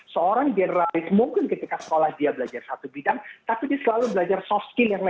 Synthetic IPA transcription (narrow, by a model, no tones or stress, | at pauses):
səoɾaŋd͡ʒɛnəɾalɪsmuŋkɪnkət̪ikasə̥kolahdiabəlad͡ʒarsat̪ubidaŋt̪apidiasəlalubəlad͡ʒarsɔfskɪljaŋla